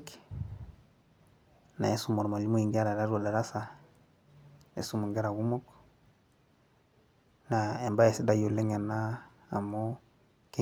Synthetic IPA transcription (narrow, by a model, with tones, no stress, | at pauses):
k | na̰˨e˦su˦mo˨ɾma˨li˦mu˦i˨ŋɡa˦ɾa˨ɾa˦ɾo˨la˨ɾa˦sa˨ | ḛ˨su˦mu˨ŋɡe˦ɾa˨ɣu˦mo˦k | na˨e˨mba˦je˨si˦da˦jo˨le˦ŋa˨na̰ː˦˨ | mo˦ | ke˦